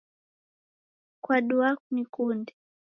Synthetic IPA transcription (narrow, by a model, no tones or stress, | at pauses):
kwaɗuakunikundi